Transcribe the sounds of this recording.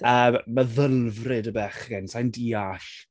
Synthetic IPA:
əːməðəlˠvrɪdəbɛχɡɛnsajndiːaɬ

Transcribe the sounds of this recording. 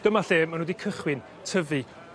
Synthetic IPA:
ɡ̥əmaɬeːmanhodikʰəχwɪn | tʰəvi

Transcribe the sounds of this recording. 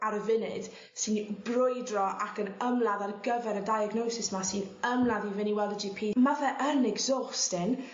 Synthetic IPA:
aɾəvɪnɪd̥ | sɨnbrʊjdrɔʔakənəmlˠaðarɡəvɛɾədajaɡnowsɪsmasɨnəmlˠaðivɪniwɛlˠdəd͡ʒipʰiːmavɛʔənɛɡzɔstɪn

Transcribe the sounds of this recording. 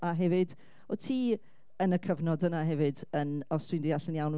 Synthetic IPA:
aɦɛvɨd | ɔtʰiː | ənəkʰəvnɔdənaɦɛvɨdənɔstwɨndɪjaɬɪnjawn

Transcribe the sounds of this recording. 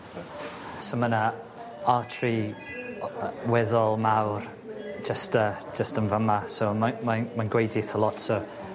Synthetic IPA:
soməna | atʰri | wɛðɔlˠmawr̥ | d͡ʒəstə̥ | d͡ʒəstənvəmasowmamamanɡwejdɪθəlˠɔtso

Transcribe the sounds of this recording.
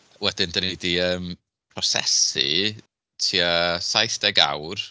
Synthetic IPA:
wɛdɪndənidiəːm | pʰrɔsɛ̰sḭ | tʰiasajθd̥ɛɡa̰wr

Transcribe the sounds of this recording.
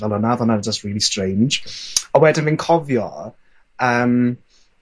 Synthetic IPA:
ɛlˠɔnaðɔnaəd͡ʒəstɹiːlˠistɹ̥ẽjnd͡ʒəwɛdəvɪ̃nkʰɔvjɔ | əm

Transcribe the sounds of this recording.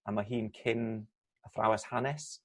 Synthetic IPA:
amaɦiːnkʰɪn | əfra̰wɛshanɛs

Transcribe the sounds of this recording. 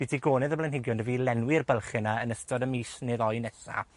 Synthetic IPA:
b̥idʰiɡoːnɛðəblɛnhɪɡjɔndəvilɛnwɪrbəlˠχɛnaənəstɔdəmiːsnɨðɔjnɛsa̰

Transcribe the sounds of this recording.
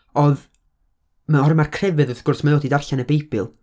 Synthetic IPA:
ɔð | maɔɾmarkʰr̥ɛvɨðəθɡ̥ʊrsmajoːdidarɬanəbejbɨ̰lˠ

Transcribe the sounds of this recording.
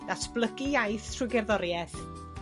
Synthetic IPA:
d̥asb̥lˠəɡiajθtʰruɡɛrðɔɾjɛθ

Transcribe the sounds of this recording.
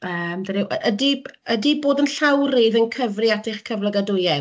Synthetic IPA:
əːmdəɾɪwʔəʔədiədiboːdənɬawriðənkʰəvrɨatʰɪχkʰəvlˠəɡadʊjɛ

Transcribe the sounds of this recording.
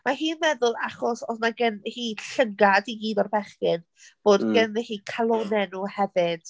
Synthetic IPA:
maɦiːnmɛðʊlˠaχɔsɔsnaɡənhiːɬəɡadiɡiːdɔrbɛχɪn | v̥oːdɡənɛhiːkʰalˠɔnɛnuːhɛvɨd̥

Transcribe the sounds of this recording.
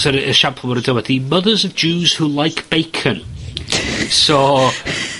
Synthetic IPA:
əɾəʃampʰlˠəwəɾədəwɛdiməðəzəvd͡ʒuːz̥hulˠajkʰb̥ejkʰə̃n | so

